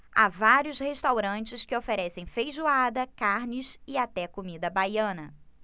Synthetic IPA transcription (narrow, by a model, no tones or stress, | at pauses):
a̰vaɾjʊsheʃt̪awɾɐ̃nt͡ʃɪskɪofeɾɛsẽj̃fejʒuad̪ɐkaɾnɪsɪat̪ɛkomid̪ɐbajɐ̃nɐ